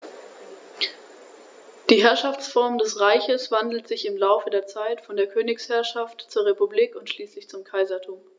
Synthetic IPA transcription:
d̥iːɦɛɐʃaft͡sfɔɐmdɛsʁaɪçəsv̥andl̩tz̥ɪçɪmlaʊfədeːɐt͡saɪtfɔndeːɐkʰøːnɪkshɛɐʃaftt͡suːɐʁepubliːkʊntʃliːslɪçt͡sʊmkʰaɪzɐtʰuːm

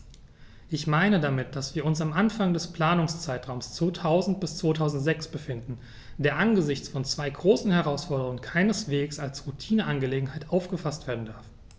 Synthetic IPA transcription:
ʔɪçmaɪnədamɪt̚d̥asv̥iːɐʊnsamʔanfaŋdɛspl̥aːnʊŋst͡saɪtʁ̥aʊmst͡sv̥oːtʰaʊzn̩t̚b̥ɪst͡sv̥oːtʰaʊzn̩tz̥ɛksb̥əfɪndn̩ | d̥eːɐʔanɡəzɪçt͡sfɔnt͡sv̥aɪɡʁoːsn̩hɛʁ̞aʊsfɔɐdəʁʊŋənkʰaɪnəsv̥eːksalsʁutʰiːnəʔanɡəleːɡŋ̩ɦaɪtʔaʊfɡ̥əfastv̥eːɐdn̩daɐf

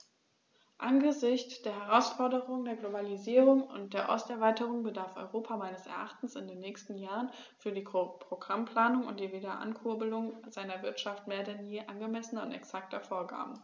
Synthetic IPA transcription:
ʔanɡəzɪçt͡st͡sd̥eːɐɦɛʁ̞aʊsfɔɐdəʁʊŋədeːɐɡlobaliziːʁʊŋʊ̰nt̚d̥eːɐʔɔ̰stɛɐvaɪtəʁ̞ʊŋbədaɐfɔ̰ʏʁoːpʰamaɪnəsɛ̰ɐʔaχtn̩sɪndeːnːɛːçstn̩jaːʁən | fyːɐdiːpʁ̥oɡʁampl̥aːnʊŋʊ̰nt̚d̥iːviːdɐʔa̰nkʰʊɐbəlʊŋzaɪnɐvɪɐtʃaftmeːɐdɛnjeːʔanɡəmɛsnɐʊ̰ntɛ̰ksak̚tʰɐfoːɐɡa̰ːbm̩

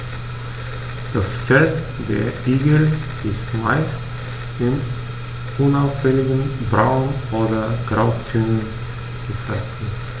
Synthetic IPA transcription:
d̥asfɛt | deːɐʔiːɡll̩ | ɪstma̰ɪst | ɪn | ʔʊnaʊfhɛŋɪɡənbʁaʊnʔoːdɐɡ̥ʁaʊtʰynən | ɡ̥əfatn̩

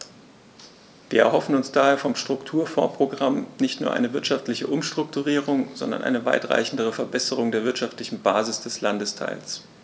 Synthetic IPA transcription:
v̥iːɐʔɛɐɦɔfn̩ʊnsd̥aːheːɐfɔmʃtʁ̥ʊktʰuːɐfɔːɐpʁ̥oɡʁamnɪçtnuːɐʔa̰ɪnəvɪɐtʃaftlɪçəʔʊmʃtʁ̥ʊktuʁiːʁʊŋz̥ɔ̰ndɐ̰nʔa̰ɪnəva̰ɪtʁ̥a̰ɪçn̩dəʁ̞əfɛɐbɛsəʁʊŋdeːɐvɪɐtʃaftlɪçn̩baːzɪsd̥ɛslandəstʰa̰ɪls

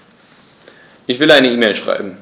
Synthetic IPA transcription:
ʔɪçv̥ɪlaɪnəiːmeɪlʃʁ̥a̰ɪbm̩

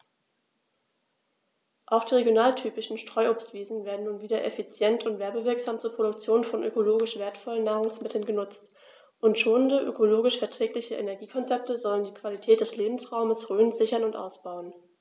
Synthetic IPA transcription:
ʔaʊxd̥iːʁeɡjonaːltʰyːpɪʃn̩ʃtʁ̥ɔʏʔoːpstv̥iːzn̩veːɐdn̩nːuːnviːdɐʔefit͡sjɛntʰʊntv̥ɛɐbəvɪɐkz̥aːmt͡suːɐpʁ̥oɾʊk̚t͡sjoːnfɔnʔø̰koloːɡɪʃv̥eːɐtfɔlənːaːʁ̞ʊŋsmɪtʰl̩nɡənʊt͡st | ʔʊntʃoːnəndəʔø̰kʰoloːɡɪʃfɛɐtʁ̥ɛːklɪçəʔḛnɛɐɡiːkʰɔnt͡sɛp̚təzɔləndiːkv̥alitʰɛːt̚d̥ɛsleːbm̩sʁaʊməsʁøːnzɪçɐnʊntʔa̰ʊsb̥aʊən

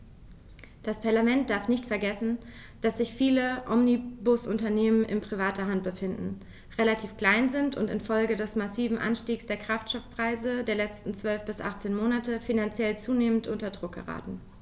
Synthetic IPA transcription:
d̥aspʰaɐlamɛnt̚d̥aɐfnɪçtfɛɐɡɛsn̩ | d̥asz̥ɪçfiːləʔɔmnibʊsʔʊntɐneːmənʔɪ̰npʁ̥ivaːtʰɐɦantb̥əfɪndn̩ | ʁelatʰiːfkl̥aɪnzɪntʊ̰ntɪ̰nfɔlɡədɛsmasiːvm̩ʔa̰nʃtiːksd̥eːɐkʁ̥aftʃtɔfpʁ̥aɪzədeːɐlɛt͡stn̩t͡sv̥œlfb̥ɪsʔa̰χt͡seːnmoːnatəfinant͡sjɛlt͡suːneːməntʔʊntɐdʁʊk̚ɡ̥ə̰ʁa̰ːtn̩

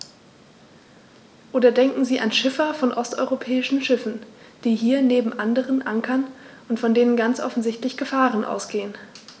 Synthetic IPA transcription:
ʔoːdɐdɛŋkŋ̩ziːʔanʃɪfɐfɔnʔɔstʔɔ̰ʏʁopʰɛːɪʃn̩ʃɪfn̩ | d̥iːɦiːɐneːbm̩ʔandəʁənʔaŋkʰɐnʔʊntfɔndeːnənɡant͡sʔɔ̰fn̩zɪçtlɪçɡ̥əfaːʁənʔa̰ʊsɡ̥eːən

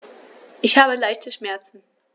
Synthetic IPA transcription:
ʔɪçhaːbəlaɪçtəʃmɛɐt͡sn̩

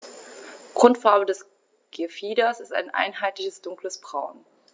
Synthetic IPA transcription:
ɡ̥ʁʊntfaɐbədɛs | ɡ̥efiːdɐsɪsta̰ɪnʔa̰ɪnɦaɪtlɪçəsd̥ʊŋkləsb̥ʁaʊn

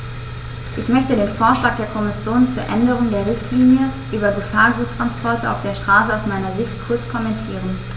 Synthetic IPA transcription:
ʔɪçmœçtədeːnfoːɐʃlaːk̚d̥eːɐkʰɔmɪsjoːnt͡suːɐʔɛndəʁ̞ʊŋdeːɐʁɪçtʰliːnjəʔyːbɐɡəfaːɐɡuːttʁ̥anspʰɔɐtʰəʔa̰ʊfd̥eːɐʃtʁ̥aːsəaʊsmaɪnɐzɪçtkʰʊɐt͡skʰɔmɛntʰiːʁ̞ən

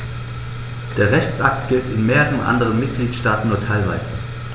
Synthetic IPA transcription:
d̥eːɐʁɛçt͡sʔa̰k̚tɡ̥ɪltɪnmeːʁəʁənʔa̰ndəʁənmɪt̚ɡ̥liːtʃtaːtn̩nuːɐtʰaɪlva̰ɪzə

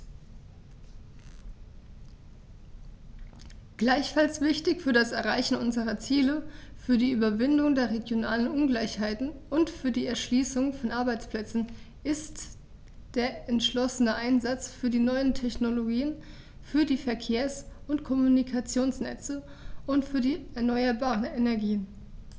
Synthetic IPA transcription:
ɡ̥laɪçfalsv̥ɪçtɪçfyːɐdasɛɐʁaɪçn̩ʔʊnzəʁɐt͡siːləfyːɐdiːʔyːbɐvɪndʊŋdeːɐʁeɡjonaːlənʔʊnɡlaɪçhaɪtn̩ʔʊntfyːɐdiːɛɐʃliːsʊŋfɔnʔaɐbaɪt͡spl̥ɛt͡sn̩ | ʔɪst | d̥eːɐʔɛntʃlɔsənəʔaɪnzat͡sfyːɐdiːnɔʏəntʰɛçnoloɡiːən | fyːɐdiːfɛɐkʰeːɐsʊntkʰɔmunikʰat͡sjoːnsnɛ̰t͡sə | ʔʊntfyːɐdiːɛɐnɔʏɐbaːʁənɛnɛɐɡiːən

